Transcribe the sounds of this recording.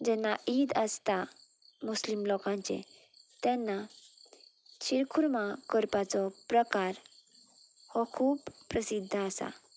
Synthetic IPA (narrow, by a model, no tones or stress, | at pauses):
d͡ʑɛnːaʔid̪əst̪a | muslimlɔkãɲt͡ɕḛ | t̪ɛ̃nːa | ɕiɾkʰuɾmakəɾpat͡sɔpɾəkaɾ | hɔkʰuːpːɾəsid̪ʱːəasa̰